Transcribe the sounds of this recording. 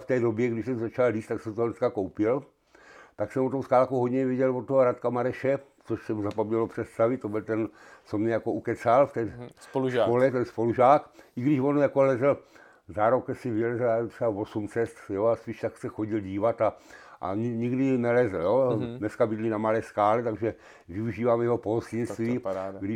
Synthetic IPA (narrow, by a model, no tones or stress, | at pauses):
ft̪ɛːdo̞bjɛɡdɪʃsɛmzat͡ʃalliːst̪ːaksɛmt̪oonɛskakowpɪl | t̪aksɛmvot̪owskaːlkowɦod̪ɲɛvjɛɟɛlvot̪ːoɦoɾat̪kamaɾɛʃɛt͡soʃsɛmuzapabɲɛlopr̝̥ɛt̪st̪avɪt̪obɪlt̪ɛn | somɲɛjakoukɛt͡salft̪ɛːspoluʒaolɛt̪ɛnspo̞luʒaːkʔɪɡdɪʃvonjakolɛzɛl̩ | zaɾokɛsɪvɪlɛzɛlat̪r̥ɛavosumt͡sɛst̪joaspiːʃt̪aksɛxoɟilɟiːvat̪aʔa̰ɲɲɪɡdɪnɛlɛzl̩jonɛskabɪd̪linamalɛːskaːlɛt̪aɡʒɛ | vɪuʒiːvaːmjɛɦopostinst̪ʋiːɡdɪ